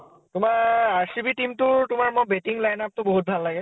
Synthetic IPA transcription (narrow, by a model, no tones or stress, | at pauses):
tʊmaɹaɹsibitimtʊɹtʊmaɹmojbetiŋlajnap̚tʊboɦut̚bʱalːaɡɛ